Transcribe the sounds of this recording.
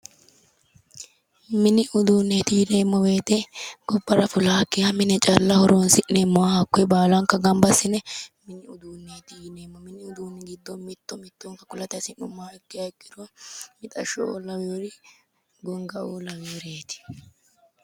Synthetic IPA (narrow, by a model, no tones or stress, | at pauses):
mɪnɪʔʊd̪uːnːeːt̪ɪjne̞ːmːɔweːt̪ɛɡ̥ɔbːɐɾɐfʊlaːkːɪjamɪnɛt͡ʃʼɐlːɐhɔɾoːnsɪʔːeːmɔwahɐkːɛbaːlɐŋkːɐɡɐmbɐsɪnɛmɪnɪʊd̪uːnːeːt̪ɪneːmːɔmɪnɪʊd̪uːnːɛɡɪd̪ːɔmɪt̪ːɔmɪt̪ːɔŋkɐkʊlɐt̪ɪɐsɪnʊmːaːɛkːɪjɐɪkʼːɪd̪ɔmɪt̪ʼɐʃɔo̰ːlɐweɾɪ | ɡɔŋɡɐoːlɐwɾeːt̪ɪ̥